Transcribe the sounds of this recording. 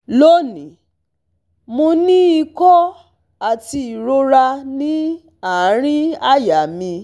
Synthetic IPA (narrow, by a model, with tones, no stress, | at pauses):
lo˦nĩ˨ | mõ˧nĩ˦i˧kɔ˦ | a˨ti˧i˨ɾo˧ɾa˧nĩ˦ | a˨˦ɾ̃ĩ˦a˦˨ja˨mĩ˧